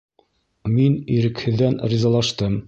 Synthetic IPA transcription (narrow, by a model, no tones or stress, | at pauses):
miniɾɘ̆khɘ̆ðːænrʲizɑlˠɑʃt̪ɤm